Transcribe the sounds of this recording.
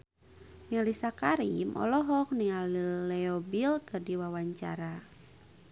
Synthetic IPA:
nialisakaɾimʔɔ̰lɔɦɔk̚nialilɛobilkɨrdiwawaɲt͡ʃa̰ɾa

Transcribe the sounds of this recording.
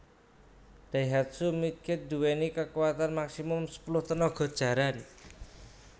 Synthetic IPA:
d̥aiɦat̪̚sumit̪̚kɪt̪̚d̪̥ṳwenikəkuwat̪anmaksimʊmsə̥pulʊht̪ənɔɡ̥ɔ̤d̥ʒ̥a̤ɾan

